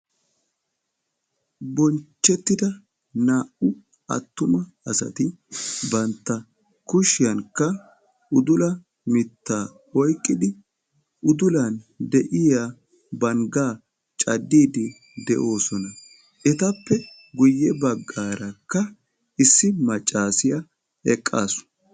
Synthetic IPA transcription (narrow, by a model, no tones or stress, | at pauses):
bɔnt͡ʃːɛt̪ːɪd̪ɐ | naːʔʊ | ɐ̰t̪ːʊmɐɐsɐ̰t̪ɪbɐnt̪ːɐ | kʊʃɪjɐŋkːɐ | ʊd̪ʊlɐ | mɪt̪ːaː | ɔjkʼːɪd̪ɪ | ʔʊd̪ʊland̪ɛʔɪja | bɐŋɡaː | t͡ʃʼɐd̪ːiːd̪ɪ | d̪ɛ̰ʔo̞ːsɔnɐ | ʔɛt̪ɐpːɛ | ɡʊjːɛbɐɡːaːɾɐkːɐ | ɪsːɪmɐt͡ʃʼːaːsɪjɐ | ɛkʼːa̰ːsʊ̥